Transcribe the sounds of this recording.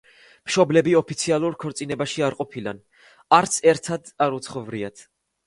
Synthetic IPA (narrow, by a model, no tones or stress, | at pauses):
mʃɔblɛbiɔpʰit̪sʰialˠuɾkʰɔɾt̪sʼinɛbaʃiaɾqʼɔpʰila̰n | aɾt̪sʰɛɾt̪ʰad̪aɾut̪sʰχɔvɾiat̪ʰ